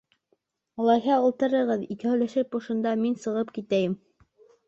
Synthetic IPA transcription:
ɑlˠɑjɦɑɤ̆lˠt̪ɤ̆ɾɤ̆ʁɤðikɘhɵ̆jlæʃɘp̚bŭʃɤ̆nd̪ɑminsɤ̆ʁɤpkit̪æjɘm

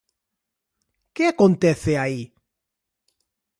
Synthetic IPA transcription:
kɪakõnt̪ɛθeai

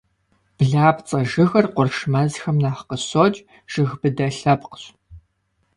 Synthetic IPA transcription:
b̥ɮaːpt͡sʼɐʒɨɣɐrqʷʊrʃmɐzxɐmnaːħqəɕot͡ʃʼ | ʒ̥ɨɣbɨdɐɬɐpqɕ

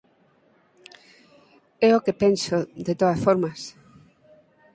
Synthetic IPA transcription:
ɛokepensoðet̪oðɐsfoɾmas

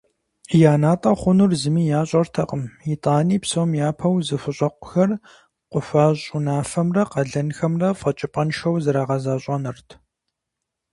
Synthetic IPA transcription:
jaːnaːtʼɐχʷʊnurzɨmiːjaːɕʼɐrtʰɐqəmitʼaːniːpsomjaːpʰɐwzɨfɨɕʼɐqʷʊ̥xɐr | qʷʊfaːɕʼʊnaːfɐmrɐqɐɮɐnxɐmrɐfɐt͡ʃʼɪpʼɐnʃɐwzɨɾaːʁɐzaːɕʼɐnɨrtʰ

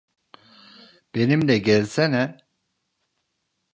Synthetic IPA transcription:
b̥enimd̪ɛɟɛlʲsɛnɛ

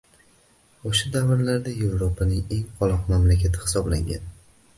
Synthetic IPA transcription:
oʃad̪avɪɾlaɾd̪ajevɾopʰanɪŋe̞ŋqʰɒlˠɒqmamlakʲʰat̪ʰɪhɪ̥sɒbla̰ŋɡʲa̰n

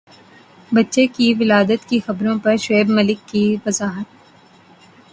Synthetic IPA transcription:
bɐtːʃekiʋɪlaːd̪ət̪kixɐbɾõpɐɾʃeːbmɐlɪkːiʋɐzaːɦət̪̚

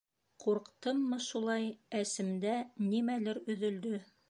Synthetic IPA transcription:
quɾqt̪ɤmːɤʃulˠɑjæsɘ̆md̪ænimælɘɾɵ̆ðɵ̆ld̪ɵ

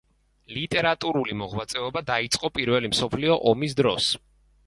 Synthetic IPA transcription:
lit̪ʼɛɾat̪ʼuɾulimɔʁwat̪sʼɛɔbad̪ait̪sʼqʼɔpʼiɾvɛlimsɔpʰliɔʔɔmis̬d̪ɾɔs

